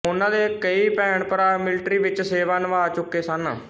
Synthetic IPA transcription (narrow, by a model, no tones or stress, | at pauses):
ʊnãːd̪eːkəiːpɛːɳpəɾaːmɪlɪʈɾiːʋɪt͡ʃseːʋaːnʋaːt͡ʃʊkːeːsənː